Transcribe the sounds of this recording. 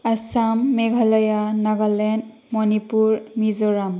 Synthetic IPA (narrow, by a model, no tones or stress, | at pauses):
asamːeɡʱalajanaɡalɛnd | mɔnipuɹmizɔɾam